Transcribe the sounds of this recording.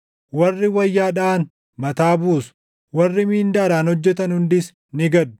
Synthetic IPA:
wɐrːɪwɐjːaːᶑɐːn | mɐt̪aːbuːsʊ | wɐrːɪmiːnd̪aːɾaːnhɔd͡ʒːɛt̪ɐnhʊnd̪ɪs | nɪɡɐd̪ːʊ̥

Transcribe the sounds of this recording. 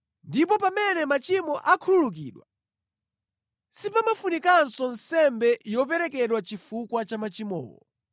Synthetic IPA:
ndip̬ɔpamɛnɛmat͡ʃimɔʔakʰululuk̬iːɗwa | sipamafunikansɔnsɛmbɛjɔp̬ɛɾɛkɛɗwat͡ʃifukwat͡ʃamat͡ʃimɔ̰ːwɔ̰

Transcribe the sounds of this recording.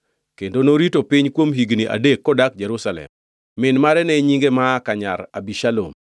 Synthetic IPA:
kendonoɾitopɪɲkwomɦiɡniʔa̰dekːɔdak̚d͡ʒeɾusalɛ̰mː | ɪnmaɾɛnɛɲiŋɡemaːkaɲa̰ɾa̰biʃalo̰m

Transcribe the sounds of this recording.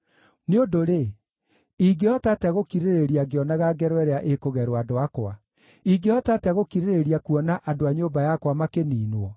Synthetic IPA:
neondoɾe | iɡeɔtatɛɣokiɾeɾeɾiaɡeɔnaɣaɡɛɾwɛɾeaʔekoɣɛɾwadoakwa | iɡeɔtataɣokiɾeɾeɾiakuɔnaʔadoaɲombajakwamakeniːnwɔ

